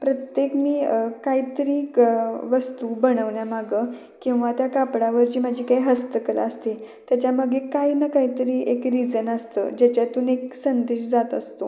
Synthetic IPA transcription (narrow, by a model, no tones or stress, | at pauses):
pɾət̪jekmiːkait̪əɾiːʋəst̪ubəɳəʋɳjamaɡə | kĩw̃ʋat̪jakapɽaʋəɾt͡ɕiːmad͡ʑʱiːkaiɦəst̪əkəla̰ːst̪et̪jat͡ɕjaməɡʱekainəkait̪əɾiːʔekɾid͡zənəst̪ə̰d͡ʑat͡ɕjat̪uneksənd̪eɕd͡zat̪ə̰st̪o